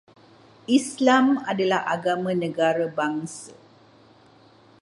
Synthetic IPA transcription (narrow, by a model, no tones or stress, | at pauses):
islamadalahʔa̰ɡamãnə̃ɡaɾabaŋsə